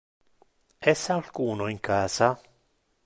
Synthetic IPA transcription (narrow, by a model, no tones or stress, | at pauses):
ɛsːaːlkuːnoiŋkaːsa